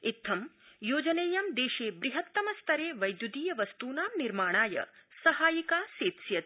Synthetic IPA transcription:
it̪ʰːɐmjoːd͡ʒɐneːjɐmd̪eːʃeːbɾiɦɐt̪ːɐmɐst̪ʰɐɾeːʋɐjd̪jud̪iːjɐʋɐst̪uːnaːmniɾmaːɳ̃aːjɐ̰sɐɦaːjikaːseːt̪sjɐt̪

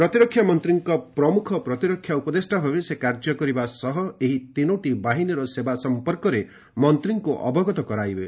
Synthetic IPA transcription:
pɾɔt̪iɾɔkʰːjamɔnt̪ɾiŋkɔpɾɔmukʰɔpɾɔt̪iɾɔkʰːjaupɔd̪esʈabʱabesekaɾd͡ʒɔkɔɾibasɔɦɔeɦit̪inoʈibaɦinɔɾɔsebasɔmpɔɾkɔɾe | mɔnt̪ɾiŋkuʔɔbɔɡɔt̪ɔkɔɾajbe

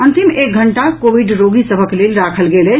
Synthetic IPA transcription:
ənt̪imek̚ɡʱəɳʈakobiɖɾoɡʱisəbʱəklelɾakʰəlɡelə

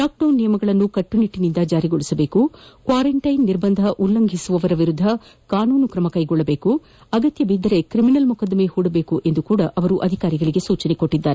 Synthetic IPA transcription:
ɖaːk̚ɖɐwnːijɐmɐɡɐɭɐnːukɐʈːuniʈːinind̪ɐd͡ʒaːɾiɡoɭisɐbe̞ːkukʋaːɾɐɳʈɐjnːiɾbɐnd̪ʱɐʔulːɐŋɡʱisuʋɐʋɐɾɐʋiɾud̪ʱːɐkaːnuːnukɾɐmɐkɐjɡɔɭːɐbe̞ːku | ɐɡɐt̪jɐbid̪ʱːɐɾe̞kɾiminɐlmukɐd̪ɐmehuːɽɐbe̞ːkuʔe̞nd̪ukuːɽɐʔɐʋɐɾuʔɐd̪ʱikaːɾiɡɐɭiɡe̞suːt͡ʃɐneko̞ʈːid̪ːaːɾe

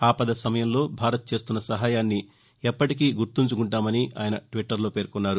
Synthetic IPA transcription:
aːpɐd̪ɐsɐmɐjɐmlo̞ːbʱaːɾɐt̪̚t͡ʃe̞ːst̪unːɐsɐɦaːjaːnːi | ɛpːɐʈik̬iːɡuɾt̪uɲt͡ʃukuɳʈaːmɐniʔa̰ːjɐnɐʈʋiʈːɐɾlo̞ːpeːɾkunːaːɾu

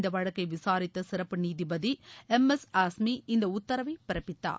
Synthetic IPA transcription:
nd̪ɐʋɐɻɐkːɐɪʋɪsaːɾɪt̪ːɐsɪɾɐpːɯniːðibɐðiɛmɛsaːsmiʔɪnd̪ɐʊt̪ːɐɾɐʋɐɪpɪɾɐpːɪt̪ːa̰ː

